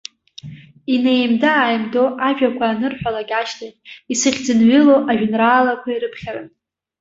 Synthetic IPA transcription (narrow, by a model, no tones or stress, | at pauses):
inejmdaːjmdo̞ʔaʒᶣakʷʰaːnɨrħʷᶣalaɡʲaʃtʰaχʲisɨχʲd͡zɨnɥɪloʔaʒᶣnraːlakʷʰaiɾɨpʰχʲarɨn